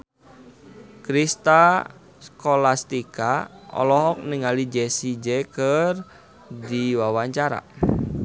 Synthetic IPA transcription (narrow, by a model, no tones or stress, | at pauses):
kɾist̪a | skolast̪ikaɔ̰lɔɦɔk̚nɪŋalid͡ʒɛsid͡ʒɛkər | diwawaɲt͡ʃaɾa̰